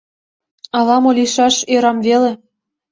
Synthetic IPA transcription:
ɑlɑmolʲiʃɑʃeɾɑmvele

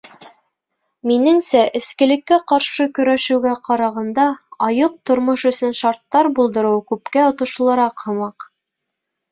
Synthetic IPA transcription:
minɘŋsæʔɘ̆skɘ̆lɘ̆kːæqɑɾʃɤkɵ̆ɾæʃɘ̆wɡæqɑɾɑʁɑnd̪ɑɑjɤq̚t̪ŏɾmoʃɵ̆sɵnʃɑɾt̪ːɑɾbulˠd̪ɤ̆ɾɤwkʉpkæŏt̪ŏʃŏlˠɑɾɑqhɤ̆mɑq

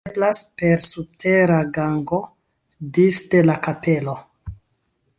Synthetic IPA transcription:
blaspe̞ɾsub̚tʰe̞ɾaɡaŋɡo̞ | disde̞lakape̞lo̞

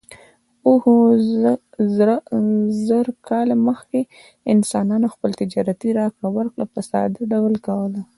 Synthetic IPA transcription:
uh | zaɾkɑlaməxke | ɪnsɑnɑnoxpəlt̪ɪd͡ʒɑɾat̪iɾɑkɽawəɾkɽapəsɑ̰d̪aɖawəlkawəla

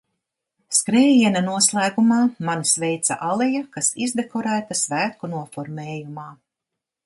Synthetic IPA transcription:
skɾɛːjiɛnanuɔslˠæːɡumaːmansvɛjt̪sa̰ʔalɛjakasizd̪ekɔɾæːt̪asvæːkunuɔfɔɾmɛːjumaː

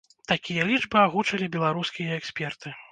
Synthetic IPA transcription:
t̪akʲijɐlʲid͡ʐbɨaɣut͡ʂɐlʲibʲɛlˠaɾuskʲijɐɛksʲpʲɛrt̪ɨ

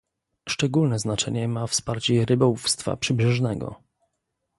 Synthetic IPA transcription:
ʂt͡ʂɛɡulnɛznat͡ʂɛ̰ɲɛmafspaɾt͡ɕɛɾɘbaufst̪fa̰pʂɘbʐɛʐnɛɡɔ̰

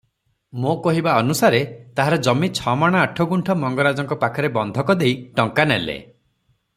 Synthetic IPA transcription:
mokɔɦibaɔnusaɾet̪aɦaɾɔd͡ʒɔmit͡ʃʰɔmaɽ̃aaʈʰɔɡuɳʈʰɔmɔŋɡɔɾad͡ʒɔŋkɔpakʰɔɾebɔnd̪ʱɔkɔd̪ejʈɔŋkanelḛ

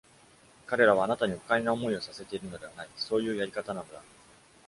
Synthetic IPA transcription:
kaɾe̞ɾaβ̞aːnat̪aɲ̟iɸo̥kainaomo̞io̞sase̞t̪e̞iɾɯ̟no̞d̪e̞βanaiso̞ːjɯ̟ːjaɾʲikat̪anano̞d̪a

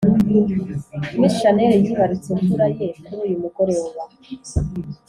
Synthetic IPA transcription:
imisiʃaneɾejiβaɾit͡siɱvuɾajekuɾuːjumuɡo̞ɾewowa

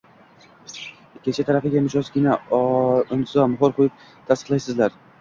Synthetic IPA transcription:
kʲʰet͡ʃʰat̪ʰaɾafɪɡʲamʊd͡ʒɒzɡʲɪna | ʊnzɒmʊɦɒɾqʰojɪp̚ | t̪ʰasɨ̥qlˠajsɪzlaɾ

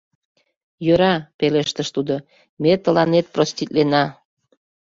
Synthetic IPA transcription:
jøɾɑpeleʃt̪əʃt̪ud̪o | met̪əlɑnet̪̚prost̪ʲit̪lenɑ

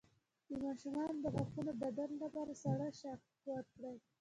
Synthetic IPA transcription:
d̪əmɑʃumɑnd̪əɣaxt̪unobad̪anlapɑɾasaɽaʃaktwat̪̚kɽaj

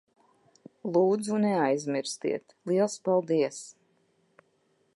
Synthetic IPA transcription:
lˠuːd̪zunɛajzmiɾst̪ḭɛt̪lˠiɛlˠspalˠd̪iɛs

